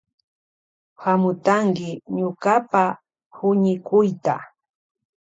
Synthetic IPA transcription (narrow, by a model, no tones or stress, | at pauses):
hamʊt̪aŋkɪɲʊkapa | hʊɲɪkʊjt̪a